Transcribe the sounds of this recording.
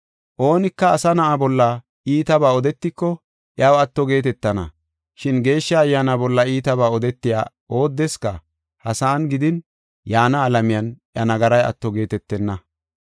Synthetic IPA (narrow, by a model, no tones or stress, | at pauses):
ʔo̞ːnɪkːɐːsɐnɐʔabɔlːɐ | ʔiːt̪ɐbaːɔd̪ɛt̪ːɪkːɔ | ʔɪɐwɐt̪ːɔɡe̞ːt̪ɛt̪ːɐnɐ̰ | ʃɪnɡe̞ːʃːɐːjːaːnabɔlːɐiːt̪ɐβaːɔd̪ɛt̪ːɪja̰ː | o̞ːd̪ːɛskɐ | hɐsaːnɡɪd̪ɪn | jaːnɐːlɐmɪjɐnʔɐnɐɡɐɾɐjɐ̰t̪ːɔɡe̞ːt̪ɛt̪ːɛnːɐ